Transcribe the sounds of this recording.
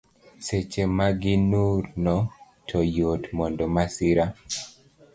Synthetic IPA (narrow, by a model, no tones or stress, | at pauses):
set͡ʃemaɡɪnuɾnɔ | tʰɔjotmɔndɔmasɪɾa